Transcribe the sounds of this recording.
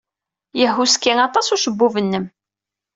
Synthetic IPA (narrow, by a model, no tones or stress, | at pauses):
jəhuskːiŋɑt̪ˤɑsuʃəbːuvənːəm